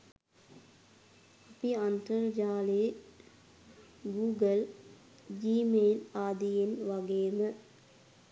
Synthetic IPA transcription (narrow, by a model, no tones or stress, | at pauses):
apiant̪əɾd͡ʒaːleː | ɡuːɡəl | d͡ʒiːmeːlaːd̪ijenʋaɡeːmə